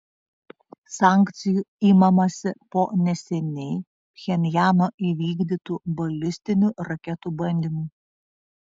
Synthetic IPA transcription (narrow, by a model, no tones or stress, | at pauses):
sɑːˑŋʲkt̪sʲɪjuiːmɐmɐsʲɪpoːnʲɛsʲɛnʲɛɪ | xʲɛnʲjæːnoːʔiʋʲiːɡd̪ʲiːt̪uːbɐlʲɪsʲt̪ʲɪnʲuːɾɐkʲɛt̪uːbɐnʲd̪ʲiːmuː